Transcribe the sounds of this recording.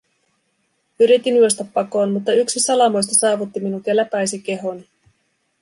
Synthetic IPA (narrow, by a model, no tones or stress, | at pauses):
yɾit̪ːinyost̪ɑpːɑko̞ːnmut̪ːɑyksisɑlɑmojst̪ɑsɑːʋut̪ːiminukelːæpæjsik̟e̞ɦo̞ni